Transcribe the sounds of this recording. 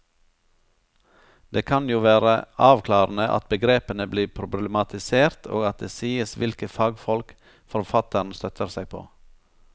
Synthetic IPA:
d̪eːkʰɑnjuːʋæːɾəɑːʋkʰlɑːɾn̩əʔɑ̰t̪̚bəɡɾeːpənəbliːpʰɾʊbləmɑt̪ɪseːɾt̪ʰo̰ːɡɑt̪̚d̪eːsiːəsʋɪlkəfɑːɡfɔlk | fɔɾfɑt̪ən̩st̪œt̪ʰəɾsæɪpʰo̰ː

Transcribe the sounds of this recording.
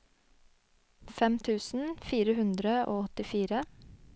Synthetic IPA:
fɛmt̪ʰʉːsn̩fiːɾəhʉnd̪ɾəʔo̰ːɔt̪ɪfiːɾə

